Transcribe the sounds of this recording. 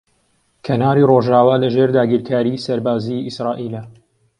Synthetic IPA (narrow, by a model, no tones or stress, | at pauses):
kʰɐnaːɾiːroʒaːwaːlɐʒeɾd̪aːɡiɾkʰaːɾisɐɾbaːziisɾɑːʔiːlɐ